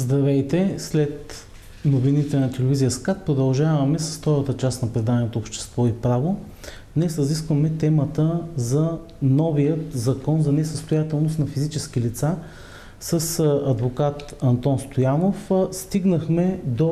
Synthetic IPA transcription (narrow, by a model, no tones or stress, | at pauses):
zd̪ɾɐvɛjt̪ɛslɛt̪ | novinit̪ɛnɐt̪ɛlɛvizijəskat̪̚pɾod̪ɐlˠʒavɐmɛsɐ̥sft̪ɔɾət̪ət͡ʃasnɐpɾɛd̪anɛnot̪oːpʃt̪ɛ̥st̪vɔipɾavo | d̪nɛsɾɐziskvəmɛt̪ɛmət̪əzɐ | nɔvijət̪zɐkɔnzɐnɛsəst̪ojat̪ɛlˠnost̪nɐfizit͡ʃɛskilit̪sa | səsɐd̪vokat̪ɐnt̪ɔnst̪ojanofst̪iɡnəxmɛd̪o